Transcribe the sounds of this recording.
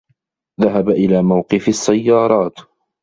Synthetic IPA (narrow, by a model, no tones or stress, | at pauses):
ðaɦabaʔɪlaːmawqɨfasːajːɑːɾˤɑːt̪